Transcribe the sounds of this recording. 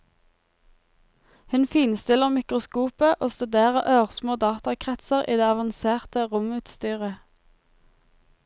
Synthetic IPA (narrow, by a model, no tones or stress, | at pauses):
hʉnfiːnst̪ɪləʁmɪkʁʊskuːpəʔoːst̪ʉd̪eːʁəʁʔøːʁsmoːd̪ɑːt̪ɑkʰʁɛt̪səʁʔiːd̪eːɑʋɑnseːʁt̪əʁʊmʉːt̪st̪yːʁə